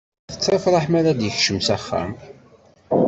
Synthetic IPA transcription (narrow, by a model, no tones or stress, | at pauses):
θə̥t͡sːɾɑfɾˤɑħmaɾæd̪jəçʃəmsæχːæ̰m